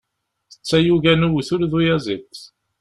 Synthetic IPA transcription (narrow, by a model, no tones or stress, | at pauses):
θə̥t͡sːæjuʝænuwθʊɾðujæzit͡sː